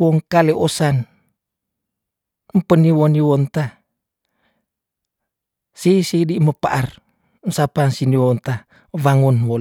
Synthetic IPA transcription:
wɔŋkaleʔosan | mpəniwoniwɔnt̪a | sisidiməpaʔar | nsapansiniwɔnt̪a | vaŋunwɔ

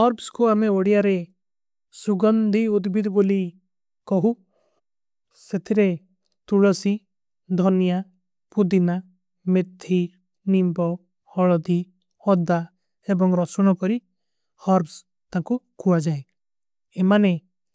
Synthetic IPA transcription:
hɔɾbskuameoɽijaɾe | suɡɔnd̪ʱiud̪bid̪boli | kɔɦu | set̪ʰiɾe | t̪uɭɔsi | d̪ʱɔnija | pud̪ina | met̪ʰːi | nimbɔ | hɔɭɔd̪i | hɔd̪a | ebɔŋɾɔsɔɽ̃ɔkɔɾi | hɔɾbs | t̪ãkukuad͡ʒaẽ | emane

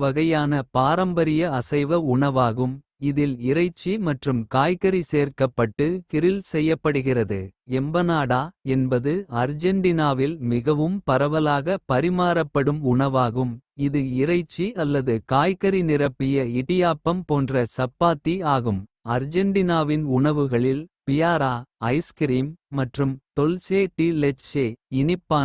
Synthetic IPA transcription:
ʋɐɣɐjaːnɐpaːɾɐmbɐɾɪjɐɐsɐɪʋɐʊɳɐʋaːɣɯm | ɪðɪlɪɾɐɪt͡ʃːimɐʈrɯmkaːjkɐɾiseːrkɐpːɐʈːɯkɪɾɪlsɛjːɐpːɐɽɯɣɪrɐðɯ̰ɛmbɐnaːɽaːɛnbɐðɯɐɾd͡ʒɛɳɖɪnaːʋɪlmɪɣɐʋɯmpɐɾɐʋɐlaːɣɐpɐɾɪmaːɾɐpːɐɽɯmʊɳɐʋaːɣɯmɪðɯɪɾɐɪt͡ʃːiɐlːɐðɯkaːjkɐɾinɪɾɐpːɪjɐɪɽɪjaːpːɐmpoːndrɐsɐpːaːt̪ːiaːɣɯm | ɐɾd͡ʒɛɳɖɪnaːʋɪnʊɳɐʋɯɣɐɭɪlpɪjaːɾaːɐɪskɪɾiːmːɐʈrɯmt̪ɔlseːʈilɛt͡ʃeːɪnɪpːaː

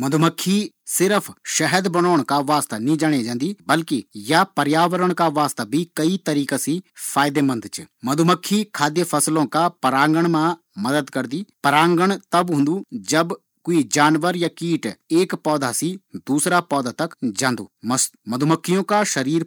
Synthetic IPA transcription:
mɐd̪ʱuməkʰːi | sɪɾəpʰʃɛɦəd̪bɐñɔːɽ̃kaʋaːst̪anĩd͡ʒaːɽ̃ed͡ʒãːnd̪ibɐlkijapɐɾjaːʋəɾəɽ̃kaʋaːst̪abʱikɐit̪ɐɾiːkasifʰaːɪd̪emɐ̃nd̪t͡ʃmɐd̪ʱuməkʰːikʰaːd̪jəpʰɐslõkapəɾaːŋɡəɽ̃mã | mɐd̪əd̪kɐɾd̪iːpəɾaːŋɡəɽ̃t̪ɐbɦʊ̃ːnd̪ud͡ʒɐb | koid͡ʒaːnʋəɾjakiːʈeːkpɔːd̪ʱasid̪uːsɾapɔːd̪ʱat̪ɐkd͡ʒãːnd̪ṵːmɐd̪ʱuməkʰːɪjõkaʃɐɾiːɾ

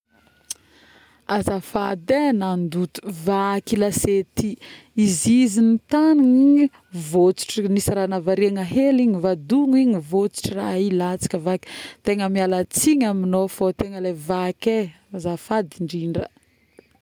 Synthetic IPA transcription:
azafad̪enand̪ut̪u̥vakilaset̪i | izizinit̪aniŋiɲ | vot͡si̥ʈ͡ʂənisɾanavaɾiaŋəɦeliɲivad̪uŋiɲivot͡si̥ʈ͡ʂirailat͡si̥kʲəvaki̥t̪eŋəmialat͡siɲaminofot̪eŋəlevake | azafad̪iɳɖ͡ʐiɳɖ͡ʐə

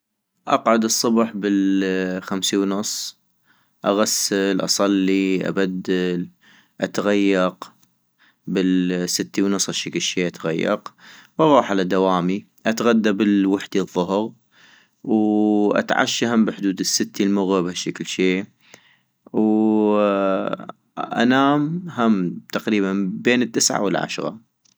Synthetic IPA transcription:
ʔɑ̰qʕʊd̪ɨsˤːʊbħbɪlxamsiwnʊsˤː | ʔaɣasːalʔɑ̰sˤɑlːiʔa̰bad̪ːal | ʔat̪ɣajːɑq | bɪlsɪt̪ːiwnʊsˤhaʃaklʃiːʔat̪ɣa̰jːɑ̰qwʔɑɾˤuːħʕalad̪awaːmi | ʔat̪ɣad̪ːabɪlwaħd̪iðˤːʊɦɣ | wʔa̰t̪ʕa̰ʃːaɦambɪħd̪uːd̪ɪsːɪt̪ːilmʊɣɪbhaʃaklʃiː | w | ʔa̰naːmhamt̪aqɾiːbanbeːnɪt̪ːɪsʕa̰wəlʕa̰ʃɾɑ̰

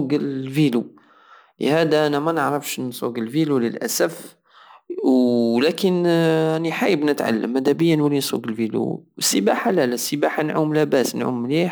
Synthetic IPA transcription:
ɡəlvilu | lḭhæd̪æʔænæmænəʕɾˤɑfʃnsˤuɡəlviluləlʔæ̰səf | wlækənæniħa̰jəbnət̪ʕa̰lːə̰mːæd̪æbəjːənwəlinsˤṵɡəlvilṵsəbaħalælæsəbaħanʕuːmlæbæsnʕṵmli

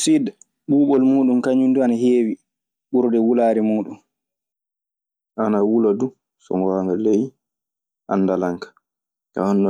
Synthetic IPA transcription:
sida | ɓuːɓɔlmuːɗumkaɲunduanaheːwi | ɓuɾdɛwulaːɾɛmuːɗun | ʔanawuladu | sɔ̰ŋɡwaːŋɡalej | ʔanːdalaŋkḁ | kahɔnː

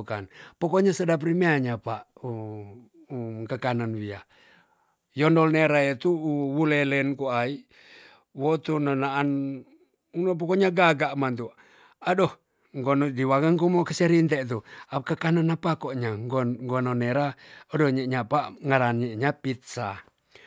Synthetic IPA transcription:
kanpokoɲasədap̬ɾimeaɲapaʔu | kəkanənwia | jɔndɔlneɾaet̪uuwulelɛnkuai | wot̪unənaʔːn | unop̬ɔkɔɲaɡaɡaʔmant̪̬u | adɔh | ŋɡondiwaɡaŋkumokəseɾint̪ɛʔt̪̬uakəkanənapakoʔɲaŋɡonŋɡɔnoneɾaodoɲeʔɲapaʔŋaɾanɲeʔɲapit̪sa

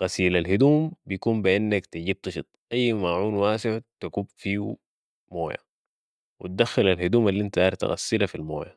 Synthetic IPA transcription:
ɣasiːlalhid̪uːmbijkuːmbiʔinːakt̪iɟiːb̚t̪ˤɨʃit̪ˤʔajːmaʕuːnwaːsɪʕut̪akubfiːwu | moːja̰ | wit̪̚d̪axːalalhid̪uːmalːiʔint̪aɑːɾˤt̪a̰ɣa̰sːilafilmo̰ːja

